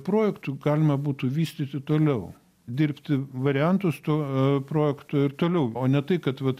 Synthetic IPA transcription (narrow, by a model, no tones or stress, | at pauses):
pɾoːjɛkt̪ʊɡɑːlʲɪmɐbuːt̪uːʋʲiːsʲt̪ʲit̪ʲɪt̪oːlʲɛʊ | d̪ʲɪɾʲpʲt̪ʲɪʋɐɾʲɪɛnt̪ʊst̪oːpɾoːjɛkt̪oːɪɾt̪oːlʲɛʊoːnʲɛt̪ɐɪkɐt̪ʋɐt̪